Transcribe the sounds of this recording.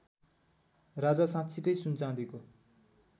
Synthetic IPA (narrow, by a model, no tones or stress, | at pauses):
rad͡zasãtt͡sʰikʌjsunt͡sãd̪iko